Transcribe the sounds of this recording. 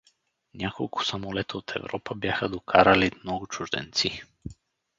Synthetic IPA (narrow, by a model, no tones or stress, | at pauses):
nakolˠku̥samɔlɛt̪aot̪ʰɛ̰vɾɔpabjaxad̪ɔkʰaɾalimnɔɡut͡ʃuʒd̪ɛ̰nt̪si